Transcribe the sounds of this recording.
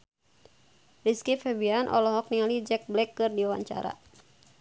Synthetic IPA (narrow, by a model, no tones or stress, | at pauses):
riskifɛbianʔɔ̰lɔɦɔk̚nialid͡ʒɛk̚blɛkːɨrdiawa̰ɲt͡ʃa̰ɾa̰